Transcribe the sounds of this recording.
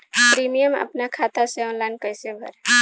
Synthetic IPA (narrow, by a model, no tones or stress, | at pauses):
pɾimijəmə̰pnakʰat̪aseɔ̃nlankəjsebʱə̰ɾ